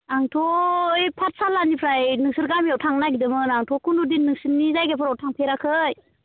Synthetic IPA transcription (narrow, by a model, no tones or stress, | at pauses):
aŋtʰɔjpʰat̚salːanipʰɾajnɯŋsɯɾɡamiawtʰaŋnaɡidɯmɯnaŋtʰɔkʰundudinːɯŋsɯnːizajɡapʰɯɾawtʰaŋpʰeɾakʰɯj